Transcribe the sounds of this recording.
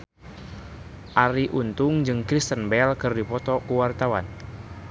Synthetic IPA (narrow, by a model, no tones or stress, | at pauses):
ʔaɾiʔunt̪ʊŋd͡ʒɨŋkɾist̪ənbɛlkɨrdipɔt̪ɔkuwart̪awa̰n